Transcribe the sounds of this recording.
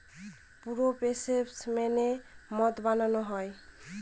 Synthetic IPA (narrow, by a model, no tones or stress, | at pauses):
puɾopesepsmenemɔt̪bananɔɦɔj